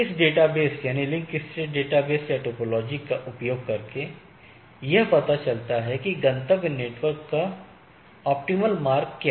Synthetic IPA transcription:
ɪsɖeːʈabeːsjaːnilɪ̃ŋkɪst̪ɾeːʈ̚ɖeːʈabeːsaʈoːpɔlɔːd͡ʒikaʔʊpjoːɡ̚kɐɾke | jɐɦpɐt̪at͡ʃɐlt̪aɦɛkiɡɐ̃nt̪əɡneːʈʋəɾkːa | ɔːp̚ʈiməlmaːɾkːja

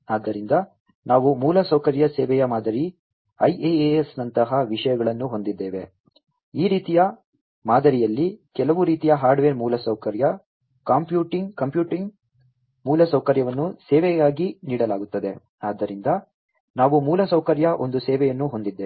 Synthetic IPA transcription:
aːd̪ːɐɾind̪ɐ | naːʋumuːlɐsɐwkɐɾjɐsɛːʋɛjɐmaːd̪ɐɾi | ɐjeesnɐnt̪ɐɦɐʋiʂɐjɐɡɐɭɐnːuɦo̞nd̪id̪ːeːʋe̞̰ | iːɾiːt̪ijɐ | maːd̪ɐɾijɐlːikɛlɐʋuɾiːt̪ijɐɦaːɾɖʋeːɾmuːlɐsɐwkɐɾjɐ | kaːmpjuːʈiŋɡkɐmpjuːʈiŋɡ | muːlɐsɐwkɐɾjɐʋɐnːusɛːʋɛɡaːɡiniːɽɐlaːɡut̪ːɐd̪e̞ | aːd̪ːɐɾind̪ɐ | naːʋumuːlɐsɐwkɐɾjɐʔo̞nd̪usɛːʋɛjɐnːuɦo̞nd̪id̪ːeː

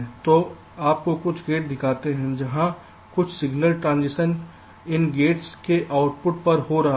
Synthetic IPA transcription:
t̪oː | aːp̚kokʊt͡ʃʰɡeːʈ̚d̪ɪkʰaːt̪eɦɛ̃d͡ʒɐɦã | kʊt͡ʃʰsɪɡnəlʈɾãːnd͡ʒɪʃən | ɪnɡeːʈskeʔaːʊʈpʊʈ̚pɐɾhoɾɐɦa

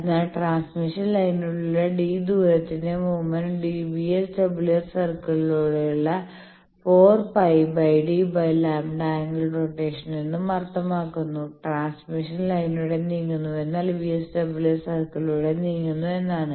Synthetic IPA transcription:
ɐnːaːlʈraːnsmiʂɐnlɐjnuɭuɭːɐɖiːd̪uːɾɐt̪ːinemuːmɐnɖiʋiesʈebilɐrsɐrkɐɭiluːɽeuɭːɐ | fo̞ːrpɐjbɐjɖibɐjlaːmɖaːŋɡilproʈːe̞ːʂɐninːɨmɐrɐt̪ːɐmaːkːunːuʈraːnsmiʂɐnlɐjnuɽe̞niŋːunːue̞nːaːlʋiːesʈebilɐrsɐrkɐɭiluɽe̞niːŋːunːue̞nːaːɳɨ

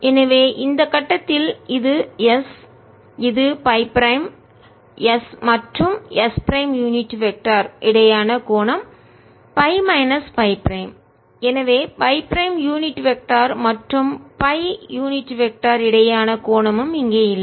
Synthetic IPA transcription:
ɛnɐʋeːʔɪnd̪ɐkːɐʈːɐt̪ːɪlɪðɯjɛs | ɪðɯpɐɪpɾɐɪm | jɐsmɐʈrɯmʔɛspɾɐɪmjuːnɪʈːʋɛk̚ʈaːɾʔɪɽɐjaːnɐkoːɳɐm | pɐɪmɐɪnɐspɐɪpɾɐɪm | ɛnɐʋeːpɐɪpɾɐɪmjuːnɪʈːʋɛk̚ʈaːɾmɐʈrɯmpɐɪjuːnɪʈːʋɛk̚ʈaːɾɪɽɐjaːnɐkoːɳɐmɯmɪŋɡeːjɪlːɐ

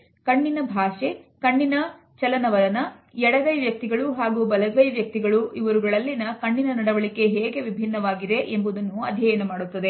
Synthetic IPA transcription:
kɐɳːinɐbʱaːʃe̞kɐɳːinɐ | t͡ʃɐlɐnɐʋɐɾɐnɐɛɽɐɡɐjʋjɐk̚t̪iɡɐɭuɦaːɡubɐlɐbɐjʋjɐk̚t̪iɡɐɭuiʋɐɾuɡɐɭɐlːinɐkɐɳːinɐnɐɽɐʋɐɭike̞ɦeːɡe̞ʋibʱinːɐʋaːɡid̪e̞ʔembud̪ɐnːuɐ̰d̪ʱjɐjɐnɐmaːɽut̪ːɐd̪e̞

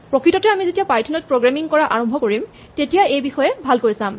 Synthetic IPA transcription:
pɹokɹitɔtɛamizetijapaɹtʰɔnɔt̚pɹoɡɹamiŋkɔɹaʔaɹɔmbʱɔkoɹim | tetijaejbixɔjɛbʱalkojsãm

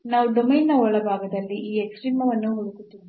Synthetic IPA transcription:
naːʋuɖomejnːɐɔɭɐbʱaːɡɐd̪ɐlːiʔiːeksʈɾiːmɐʋɐnːuɦoɽukut̪ːiʋi

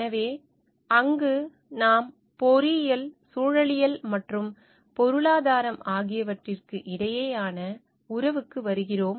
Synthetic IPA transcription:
ɐʋeː | ɐŋɡɯ | naːm | pɔɾijɐlsuːɻɐɭɪjɐlmɐʈrɯm | pɔɾɯɭaːðaːɾɐmaːɣɪjɐʋɐʈrɪrkɯʔɪɽɐjeːaːnɐ | ʊɾɐʋɯkːɯʋɐɾɯɣɪroːm

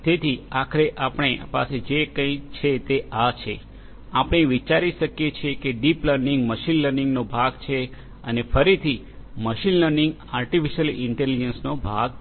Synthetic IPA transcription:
t̪et̪ʰiakʰəɾeʔapɳ̃epa̰sed͡ʒekə̃ĩt͡ʃʰet̪eʔat͡ʃʰe | apɳ̃eʋit͡ʃaɾiʃəkjet͡ʃʰekeɖipləɾniŋɡməʃinləɾnɪ̃ŋɡnobʱaɡt͡ʃʰe | ə̰nefəɾit̪ʰi | məʃinləɾnĩŋɡ | aɾʈifiʃəlɪɳʈelid͡ʒənsnobʱaɡ̚

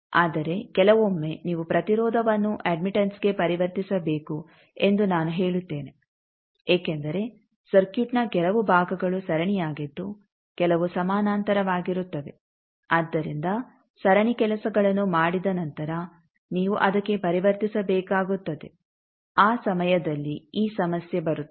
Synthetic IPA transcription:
aːd̪ɐɾe̞kɛlɐʋo̞mːe̞niːʋupɾɐt̪iɾɔːd̪ʱɐʋɐnːuʔeːɖmiʈɐnsɡe̞pɐɾiʋɐɾt̪isɐbeːku | e̞nd̪unaːnuɦeːɭut̪ːe̞ːne̞ | eːkend̪ɐɾe̞ | sɐɾkjuʈnɐkɛlɐʋubʱaːɡɐɡɐɭusɐɾɐɳijaːɡid̪ːu | kɛlɐʋusɐmaːnaːnt̪ɐɾɐʋaːɡiɾut̪ːɐd̪e̞̰ | ad̪ːɐɾind̪ɐ | sɐɾɐɳikɛlɐsɐɡɐɭɐnːumaːɽid̪ɐnɐnt̪ɐɾɐ | niːʋuʔɐd̪ɐkːe̞pɐɾiʋɐɾt̪isɐbɛːkaːɡut̪ːɐd̪e̞ | aːsɐmɐjɐd̪ɐlːiiːsɐmɐsjebɐɾut̪ː

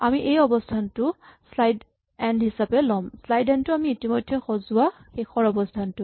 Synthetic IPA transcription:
amiʔejɔbɔstʰantʊslajd | ɛndɦisapɛlɔmslajdɛntʊamiːtimɔjdʱːɛxɔzʊwaxexʰɔɹɔbɔstʰantʊ

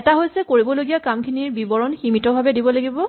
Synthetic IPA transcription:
ɛtaɦojsɛkoɹibɔloɡijakamkʰiniɹbibɔɹɔnximitɔbʱabɛdibɔlaɡibɔ

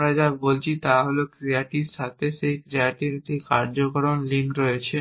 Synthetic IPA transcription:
ɾad͡ʑabolt͡ɕʰit̪aɦolokɾiaʈiʃat̪ʰeʃejkɾiaʈiʈikaɾd͡ʑokɾonlinɾɔet͡ɕʰe

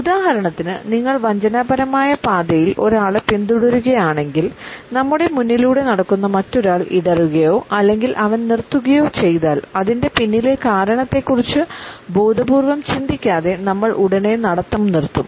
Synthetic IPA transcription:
ud̪aːɦɐɾɐɳɐt̪ːinɨ̰niŋːɐɭʋɐɲd͡ʑɐnɐbɐɾɐmaːjɐpaːd̪ɐjilʔo̞ɾaːɭpind̪uɽuɾuɣɐjaːɳe̞ŋɡilnɐmːuɽe̞munːiluːɽe̞nɐɽɐkːunːɐmɐtːo̞ɾaːɭḭɽɐruɣɐjo̞ːʔɐlːe̞ŋɡilʔɐʋɐnnirt̪ːuɣɐjo̞ːt͡ɕe̞jðaːlɐðinde̞pinːile̞kaːɾɐɳɐt̪ːe̞kːurit͡ɕːɨbuːd̪ɐbuːrʋɐmt͡ɕind̪ikʲːaːðe̞nɐmːɐɭʔuɽɐne̞nɐɽɐt̪ːɐmnirt̪ːum

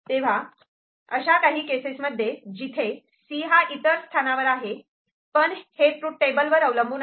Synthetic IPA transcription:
t̪eʋ̤a | əɕakaɦiːkesesməd̪ʱːjed͡ʑit̪ʰe | siɦaʔit̪əɾst̪ʰanaʋəɾaɦe | pəɳheʈɾuːʈ̚ʈebəlʋəɾəʋləmbʱuːn

